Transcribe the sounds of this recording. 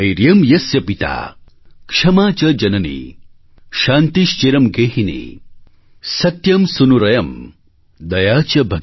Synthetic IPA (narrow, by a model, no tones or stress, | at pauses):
ɐjɾjɐmjɐsjɐpit̪a̰ː | kʂɐmaːt͡ʃɐd͡ʒɐnɐnḭ | ʃaːnt̪iʃt͡ʃeːɾɐmɡeːɦinḭ | sɐt̪jɐmsunuɾɐjɐm | d̪ɐjaːt͡ʃɐbʱɐ